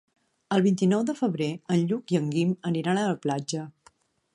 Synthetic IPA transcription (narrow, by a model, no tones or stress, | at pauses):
əlˠβint̪inɔwðəfəβɾeənʎukiəŋɡiməniɾanələplad͡ʒə